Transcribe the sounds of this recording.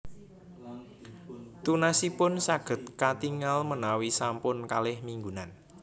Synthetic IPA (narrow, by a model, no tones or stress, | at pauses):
t̪unasipʊnsaɡ̥ə̤t̪̚kat̪iŋalmənawisampʊnkalɪhmiŋɡunan